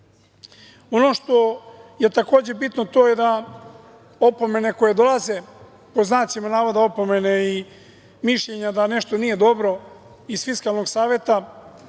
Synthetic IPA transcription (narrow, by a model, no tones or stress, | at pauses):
o̞no̞ʃt̪o̞je̞t̪ako̞ːd͡ʑe̞bit̪no̞t̪o̞ːje̞d̪a | o̞po̞me̞ne̞ko̞je̞d̪o̞lˠaze̞ | po̞znaːt͡ʃimanaːʋod̪ao̞po̞me̞nei | miʃʎe̞ɲad̪ane̞ʃt̪o̞nije̞d̪o̞bɾo̞ | izfiskalˠno̞ɡsaːʋje̞t̪a